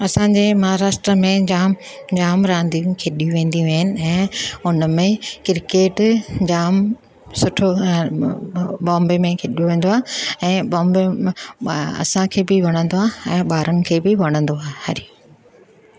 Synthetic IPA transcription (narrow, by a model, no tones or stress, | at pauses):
ɐsãɲd͡ʑeːmɐɦaɾaːʃʈɾəmẽd͡ʑaːm | d͡ʑaːmɾãːnd̪ijũkʰeɗijũʋẽːn̆d̪iʋɐɦɪnɪ̆ɛ̃ːʊnmẽkɪɾkeːʈd͡ʑaːm | sʊʈʰo | bɔ̃ːmbemẽkʰeɗijuʋẽːn̆d̪oaːɛ̃ːɓɔ̃ːmbe | ɐ̰sãkʰeːbɪʋɐɽ̃ə̃nd̪oaːɛ̃ːɓaːɾənɪ̆kʰeːbɪʋɐɽ̃ə̃nd̪oaːhɐɾi